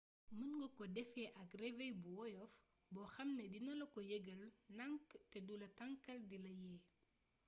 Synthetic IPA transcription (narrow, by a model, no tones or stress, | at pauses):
mənŋɡɔkɔdɛfɛʔɐkrɛvɛjbuwɔjɔf | bɔxɐmnɐdinɐlɐkɔjeɡəlnɐŋktɛduːlɐtɐŋkɐldilɐjɛː